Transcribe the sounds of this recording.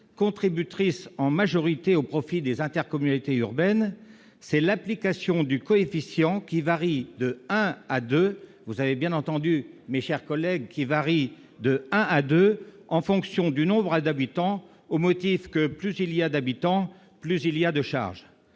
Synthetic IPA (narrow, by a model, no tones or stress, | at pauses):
kɔ̃t̪χibyt̪χisɑ̃maʒɔʁit̪eopχɔfid̪ezɛ̃t̪ɛʁkɔmynit̪eyʁbɛn | sɛlaplikasjɔ̃d̪ykɔefisjɑ̃kʲivaʁid̪əɛ̃ad̪øvuzavebjɛ̃nɑ̃t̪ɑ̃d̪ymeʃɛʁkɔlɛɡ̚kʲivaʁi | d̪əɛ̃ʔad̪øɑ̃fɔ̃ksjɔ̃d̪ynɔ̃bʁad̪abit̪ɑ̃ | omɔt̪ifkəplyzilijad̪abit̪ɑ̃ | plyzilijad̪əʃa̰ʁʒ